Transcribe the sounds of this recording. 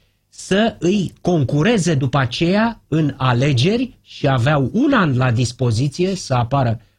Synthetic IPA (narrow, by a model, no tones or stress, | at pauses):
səɨjko̞ŋkuɾe̞ze̞d̪upəat͡ʃe̞jaɨnale̞d͡ʒe̞rʲʃiaveawunanlad̪ispo̞zit̪sije̞səapaɾə